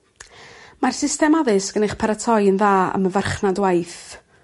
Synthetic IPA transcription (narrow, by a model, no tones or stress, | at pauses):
marsɪstɛmaðɨsɡ̥ənejχpʰaɾatʰɔjənðaːə̰məvarχnadwajθ